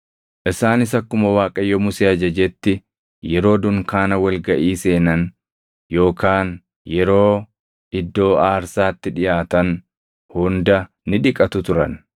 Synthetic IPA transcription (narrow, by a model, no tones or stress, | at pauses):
ʔɪsaːnɪsɐkːʊmɐwaːkʼɐjːɔmʊseːɐd͡ʒɐd͡ʒɛt̪ːɪ | jɛɾo̞ːd̪ʊŋkaːnɐwɐlɡɐʔiːse̞ːnɐn | jo̞ːkaːn | jɛɾo̞ː | ɪd̪ːo̞ːaːɾsaːt̪ːɪᶑɪjaːt̪ɐn | hʊnd̪ɐ | nɪᶑɪkʼɐt̪ʊt̪ʊɾɐn